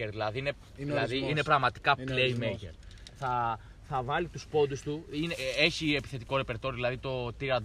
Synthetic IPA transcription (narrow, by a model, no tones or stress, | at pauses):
eɾðilɐðiine̞ | ilɐðiine̞pɾɐɣmɐt̪i̥kɐpleimekḛɾ | θɐ | θɐvɐlit̪uspo̞nd̪ust̪uinee̞çiepi̥θe̞t̪iko̞ɾe̞peɾt̪ojoðilɐðit̪o̞t̪iɾɐd̪